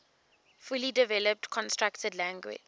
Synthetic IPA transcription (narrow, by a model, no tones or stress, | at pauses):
fulidɪvɛləp̚tkʰɔ̃nstɹaktədlæ̃ŋɡwɪ̰d͡ʒ